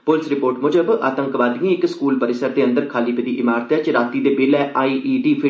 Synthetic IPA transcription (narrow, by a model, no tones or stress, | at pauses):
pʊlɪsɾɪpoːɾʈmʊd͡ʒəba̰ːt̪ə̃ŋkʋaːd̪iẽːɪkskuːlpəɾɪsəɾd̪eːə̃nd̪əɾkʰaːliːpəd̪iːʔɪmaːɾt̪ɛːt͡ʃɾaːt̪iːd̪eːbeːlɛːʔaːiːʔiːɖiːpʰɪ